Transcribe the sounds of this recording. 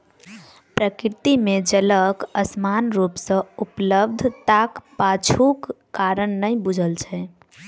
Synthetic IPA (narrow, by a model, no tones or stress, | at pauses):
pɾəkiɾt̪imed͡ʒələkəsmanɾupsə̃upləb̚d̪ʱt̪akpat͡ʃʰukː | aɾənːəjbud͡ʒʱəlt͡ʃʰɛ